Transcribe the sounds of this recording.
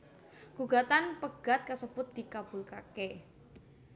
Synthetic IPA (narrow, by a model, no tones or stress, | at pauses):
ɡ̥uɡ̥a̤t̪anpəɡ̥a̤t̪̚kəsəbʊt̪̚d̪̥i̤kab̥ʊ̤lkake